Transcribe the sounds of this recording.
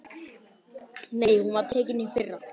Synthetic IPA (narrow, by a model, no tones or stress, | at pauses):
nejhunvaðt̪ʰɛːcɪnɪnfɪrːa